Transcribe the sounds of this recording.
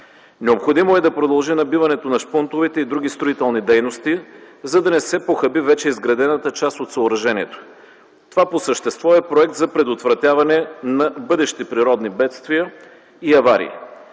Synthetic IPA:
nɛopxod̪imoɛd̪ɐpɾod̪ɐlˠʒinɐbivɐnɛt̪onɐʃpont̪ovit̪ɛid̪ɾuɡʲist̪ɾoit̪ɛlˠnid̪ɛjnost̪izɐd̪ɐnɛsɛpoxɐbivɛt͡ʃɛizɡɾɐd̪ɛnɐt̪ət͡ʃast̪ot̪sɐoɾɐʒɛnʲiɛt̪o̥ | t̪ovaposəʃt̪ɛst̪vɔɛpɾoɛk̚t̪zɐpɾɛd̪ot̪vɾɐt̪ʲjavɐnɛnɐbɤd̪ɛʃt̪ipɾiɾɔd̪nibɛt̪st̪vijə | iɐvaɾḭː

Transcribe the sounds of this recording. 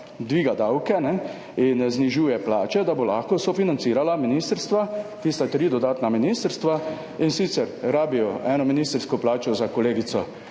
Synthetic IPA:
d̪ʋiːɡad̪awkɛnɛ | inzniʒuːjɛplaːt͡ʃɛd̪abolaːxkɔsɔfinant̪siːɾalaminiːst̪əɾst̪ʋak̪ist̪at̪ɾiːd̪ɔd̪aːt̪naminiːst̪əɾst̪ʋa | insiːt̪sɛɾɾaːbijɔɛːnɔminist̪ɾskɔplaːt͡ʃɔzakɔleːɡit̪sɔ

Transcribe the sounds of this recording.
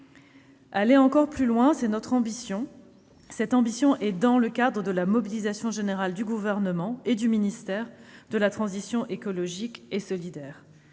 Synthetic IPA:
aleɑ̃kɔʁplylwɛ̃sɛnɔt̪χɑ̃bisjɔ̃ | sɛt̪ɑ̃bisjɔ̃ʔɛd̪ɑ̃ləkad̪ʁəd̪əlamɔbilizasjɔ̃ʒeneʁald̪yɡuvɛʁnəmɑ̃ed̪yminist̪ɛʁd̪əlat̪χɑ̃zisjɔ̃ʔekɔlɔʒikesɔlid̪ɛːʁ

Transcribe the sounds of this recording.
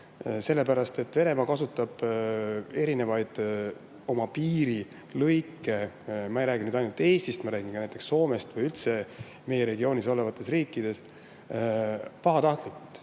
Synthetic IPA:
se̞lːe̞pæɾɑst̪e̞t̪ːve̞ne̞mɑkɑsut̪ːˑɑb̥ | e̞ɾine̞vɑjd̪̥ | o̞mɑpiːɾi | lɤjkːˑe̞ | mɑejɾæːɡinyːd̪ɑjnult̪e̞ːst̪ist̪mɑɾæːɡ̥inkɑnæjt̪ːˑeksːo̞ːme̞st̪vɤjylt̪se̞ | me̞je̞ɾe̞ɡio̞ːnʲiso̞le̞vɑt̪ːˑe̞sriːkˑːid̪̥e̞s | pɑɦɑt̪ɑht̪likːˑult̪ːˑ

